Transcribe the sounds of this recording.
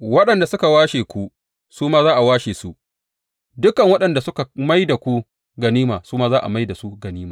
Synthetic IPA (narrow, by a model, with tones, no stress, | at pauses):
wɐ˦ɗɐ˨nda˨sʊ˦ka˨waː˦ʃeː˨kʷu˦ | suː˦maː˦zaː˦ʔa˨waː˦ʃeː˨su˦ | dʊ˦kɐ˨ŋwɐ˦ɗɐ˨nda˨sʊ˦ka˨ma˦jda˨kʷu˦ | ɡɐ˨niː˦maː˨suː˦maː˦zaː˦ʔa̰˨ma˦jda˨su˦ɡɐ˨niː˦maː˨